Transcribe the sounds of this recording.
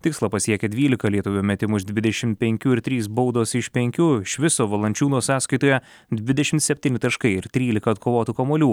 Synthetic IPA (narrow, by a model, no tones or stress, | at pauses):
t̪ʲɪkslˠɐpɐsʲiɛkʲɛd̪ʲʋʲiːlʲɪkɐlʲiɛt̪ʊʋʲuːmʲɛt̪ʲɪmʊʒd̪ʲʋʲɪd̪ʲɛʃʲɪmt̪̚pʲɛŋʲkʲuːɪɾt̪ʲɾʲiːs̬bɐʊd̪oːsɪʃpʲɛŋʲkʲuːɪʃʲʋʲɪsoːʋɐlˠɐnʲt͡ʃʲuːnoːsɑːskɐɪt̪oːjɛ | d̪ʲʋʲɪd̪ʲɛʃʲɪmt̪sʲɛpʲt̪ʲiːnʲɪt̪ɐʃkɐɪɪɾt̪ʲɾʲiːlʲɪkɐːt̪kʰoːʋoːt̪uːkɐmoːlʲuː